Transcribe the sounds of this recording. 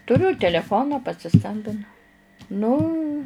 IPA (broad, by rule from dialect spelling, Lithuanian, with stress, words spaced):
tʊˈrʲʊ tʲɛlʲɛˈfoːnɑː pɐsʲɪˈskɐmʲbʲɪnʊ ˈnʊ